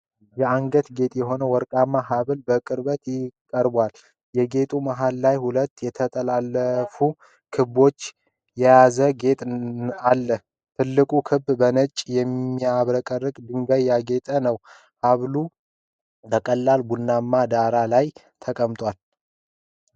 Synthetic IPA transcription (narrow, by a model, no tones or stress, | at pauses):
jɛaŋɡət̪ɡe̞t̪ʼjɛɦo̞nəwɔɾkʼamːaɦaβlbəkʼɨɾbət̪jɪkʼːəɾbwal | jɛɡe̞t̪ʼumaɦalːajhulət̪ːjɛt̪ʰət̪ʼəlalːəfu | kʰɨβo̞t͡ʃː | jɛjazəɡe̞t̪ʼalːə | t̪ʰɨlːɨkʼukʰɨbbənət͡ʃʼjɛmːiaβɾəkʼərːɨkʼd̪ɨŋɡajːaɡe̞t̪ʼənəw | haβlu | bəkʼəlːalbunːamːad̪aɾalaj | t̪ʰəkʼəmt̪ʼwal